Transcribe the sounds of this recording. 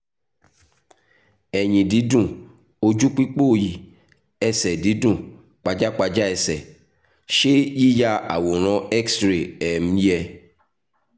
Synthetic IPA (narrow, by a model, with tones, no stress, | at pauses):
ɛ˨j̃ĩ˨di˨˦dũ˦˨ | o˧d͡ʒu˦k͡pi˦k͡po˦˨ji˨ | ɛ˧sɛ˨di˨˦dũ˦˨ | k͡pa˧d͡ʒa˦k͡pa˧d͡ʒa˦ɛ˧sɛ˨ | ʃe˦ji˦ja˦a̰˨wo˨ɾ̃ɔ̃˨˦ɛ˦ksɾe˨ɛ˨m̩̃˦jɛ˧